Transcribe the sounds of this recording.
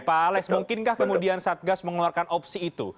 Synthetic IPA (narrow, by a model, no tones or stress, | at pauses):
palɛksmuŋkɪnkahkəmudiansat̪̚ɡasməŋəluarkanʔɔpsiːt̪ṵ